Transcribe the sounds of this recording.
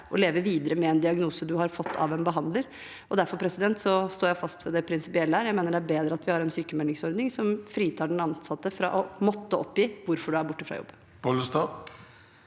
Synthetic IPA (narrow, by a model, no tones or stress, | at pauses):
ʔɔleːʋəʋiːd̪əɾəmɛɛnd̪ɪɑɡnuːsəd̪ʉɦɑɾfɔt̪ʰːɑ̰ʋɛnbəɦɑnd̪ləɾ | ʔɔd̪æɾfɔɾpʰɾɛsɪd̪ɛnt̪sɔst̪oːɾjæɪfɑst̪ʋɛd̪ɛpʰɾɪnsɪpɪɛlːəhæːɾjæɪmeːnəɖɛæɾbeːd̪ɾəɑt̪ʋɪhɑɾɛnsyːkəmɛlɪŋsɔɾd̪nɪŋsɔmfɾiːt̪ʰɑːɖɛnɑnsɑt̪ːəfɾɑ̰ʔɔmɔt̪ːəʔɔpːjiːʋʊɾfɔɖʉæɾbʊʈːəfɾɑ̰jɔ̰bːə | bɔləst̪ɑ